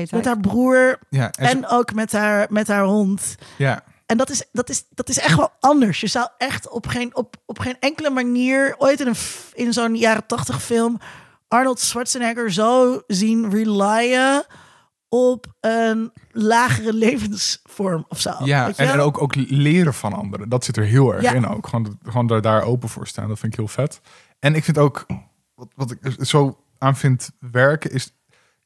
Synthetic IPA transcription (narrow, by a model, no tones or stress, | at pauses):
mɛtɦaːɹbruːɹjaɛnowkmɛtɦaːɹmɛtɦaːɹɦɔntja | ɛndɑtɪsdɑtɪsd̥ɑtɪsɛχtʋɛlˠɑndəɹsjəzɑwɛχtɔpχenɔpɔpχenɛŋkələmaniːɹojtɪnənɪnzonjaːɾətɑχtəχfɪlˠm | ʔɑɹnəlˠtswɑtsənɛɡəɹzowzinrilajə | ɔpənlaːχərəlejvənsfɔɹmɔfso̰wjaḛɛnnowkowklɪːɾəvɑnɑ̰ndəɾədɑtsɪtəɹɦɪːlˠɛ̰ɹaɪno̰wkχoːnχoːndɔdaːɹo̰wpəvʊ̰ːɹsta̰ːndɑtfɪntɪkɦɪːlˠfɛt | ɛnɪkfɪntowk | ʋɑtʋɑtɪkz̥ow | aːnfɪntʋɛɹkəɪs